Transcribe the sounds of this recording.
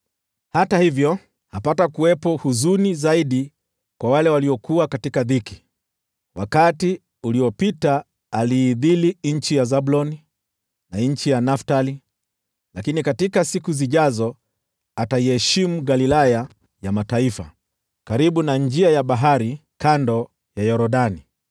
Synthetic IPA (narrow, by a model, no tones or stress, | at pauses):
hatahivjɔ | hapatakuwɛpɔhuzunizaiɗi | kwawalɛwaliɔkuakatikaðiki̥ | wakati | uliɔpitaː | liːðiliɲ̩t͡ʃijazaɓulɔni | naɲ̩t͡ʃijanaftali | lakinikatikasikuziʄazɔ | ataihɛʃimuɡalilaja | jamataifa̰ | kaɾiɓunaɲd͡ʒiajaɓaɦaɾi | kandɔ | jajɔɾɔɗani